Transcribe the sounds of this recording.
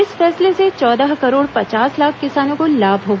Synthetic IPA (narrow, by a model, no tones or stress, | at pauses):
ɪsfɛːsleset͡ʃɔːd̪aɦkɐɾoːɽpɐt͡ʃaːslaːkʰkɪsaːnõkolaːbʱɦoːɡ